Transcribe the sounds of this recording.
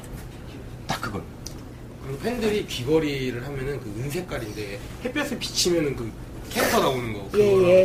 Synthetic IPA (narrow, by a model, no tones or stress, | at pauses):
t͈ak͈ɯɡʌn | kɯɾpʰendɯɾikiɡʌɾiɾɯɭɦamjʌnɯnkɯɯnsʰe̞k͈aɾinde̞ | he̞p͈ʰjʌs͈ʰɯɭpi̥t͡ɕʰimjʌnɯnkɯ | kʰentʰʌnaonɯnɡʌkjeje